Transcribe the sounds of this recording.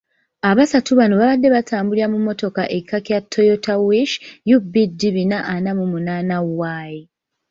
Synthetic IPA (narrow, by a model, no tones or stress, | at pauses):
aβasatuβanoβaβadːe̞βatʰaːmbuliamumːo̞to̞kaʔe̞kʰːakjatʰːo̞jotawiʃjubidːiβinaʔːnamumunaːnawːaːji